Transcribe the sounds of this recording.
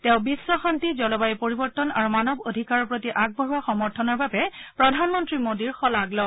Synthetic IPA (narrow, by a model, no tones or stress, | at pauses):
tɛ̃ʊ̃bisːɔxantizɔlɔbajpoɹibɔɹtɔnaɹumanɔbodʱikaɹɔpɹotiʔaɡ̚bʱɔɦuwaxɔmɔɹtʰɔnɔɹbabɛpɹɔdʱanmɔntɹimodiɹxɔlaɡlɔ